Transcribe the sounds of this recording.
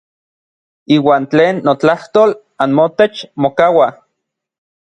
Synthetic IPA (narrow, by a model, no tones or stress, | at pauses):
iːwaːnt͡ɬeːnːot͡ɬaht̪ol | anmot̪et͡ʃmokawa